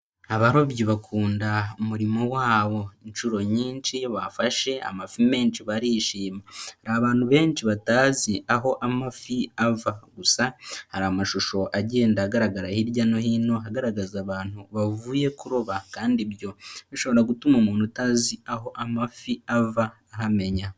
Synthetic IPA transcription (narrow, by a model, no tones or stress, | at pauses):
aβaɾoβjoβakʰuːndaumuɾimo̞waːβo̞inʃuɾo̞ɲiːnt͡ʃiβafaʃe̞a̰mafime̞ːnt͡ʃiβaɾiʃiːmahaɾaaβaːn̥huβe̞ːnt͡ʃiβataːziʔaɦo̞ʔamafiavaɡusahaɾamaʃuʃo̞ʔaɟe̞ːndaːɡaɾaɡaɾahiɾɟano̞hino̞ɦaɡaɾaɡazaβaːn̥huβavuːje̞kuɾoβakaːndiβjo̞βiʃo̞βo̞ɾaɡutumomuːnhutaːziaɦo̞ʔamafiavaːɦame̞ɲa